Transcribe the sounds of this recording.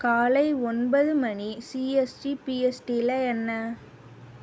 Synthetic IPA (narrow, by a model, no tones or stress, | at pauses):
kaːlɐɪɔnbɐðɯmɐɳisiesʈipiːɛsʈilɐɛnːɐ